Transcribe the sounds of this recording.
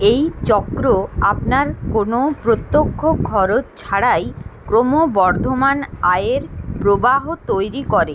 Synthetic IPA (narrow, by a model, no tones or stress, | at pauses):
ejt͡ɕɔkɾoapnaɾkonopɾot̪ːokʰːokʰːɔɾott͡ɕʰaɽajkɾomobɔɾd̪ʱomanaeɾpɾobaɦot̪ojɾikɔɾe